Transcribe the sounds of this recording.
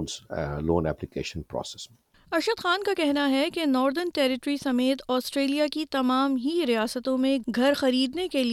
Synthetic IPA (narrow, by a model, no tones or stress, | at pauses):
nzloːnɛ̰ːplɪkḛːʃə̃npɾɔ̰ːse̥s | ɐʃəd̪xaːnkakɛɦnaɦɛkenɔːɾd̪əɾnʈɛːɾɪʈɾisɐmeːt̪ɔːsʈɾeːlijakit̪ɐmaːmɦiɾijaːsət̪õmẽɡʱɐɾxɐɾiːd̪nekeli